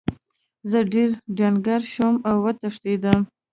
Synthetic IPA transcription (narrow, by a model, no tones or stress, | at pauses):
zəɖeɾɖjɑnɡaɾʃomawːət̪aʂt̪ed̪əm